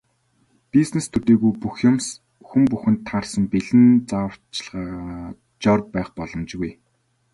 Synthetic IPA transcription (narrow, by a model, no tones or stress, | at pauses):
piznest̪ʰɵt̪eːɣujpuxjʊ̆ms | xumpuxɘ̆nt̪ʰːarsə̆mpiɮɘ̆nt͡saə̥t͡ɕɪ̆ɮʁaː | t͡ɕɔrpæːχpɔɮɞ̆mt͡ɕɣuj